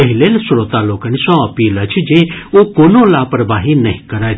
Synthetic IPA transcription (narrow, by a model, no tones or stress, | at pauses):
əɦilelsʊɾot̪aloːkanisɔ̃ɐpiːlət͡ʃʰd͡ʒeokoːnolaːpəɾəbaɦinəɦĩkəɾaj